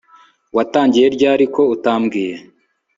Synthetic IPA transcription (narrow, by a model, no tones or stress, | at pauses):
wataːɲɟije̞ɾɟaːɾiko̞utaːmɡiːje̞